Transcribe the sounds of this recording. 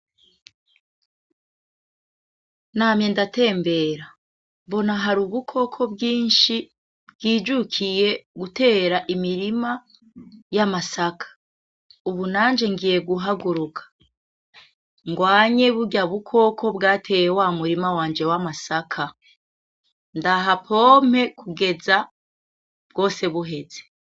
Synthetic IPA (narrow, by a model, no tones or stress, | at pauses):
naːmje̞ndate̞ːmbe̞ɾa | mbo̞naɦaɾuβukʰo̞kʰo̞bɡiːnʃi | bɡiːd͡ʒukʰije̞ɡute̞ːɾaʔimiɾima | jamasakʰḁ | uβunaːɲd͡ʒe̞ŋɡije̞ɡuɦaɡuɾukʰḁ | ŋɡwaːɲe̞βuɟaβukʰo̞ko̞bɡaːtʰe̞jewamuɾimawaːɲd͡ʒe̞wamasakʰa | ndaɦapʰo̞ːm̥he̞kʰuɡe̞za | bɡo̞ːse̞βuɦe̞ze̥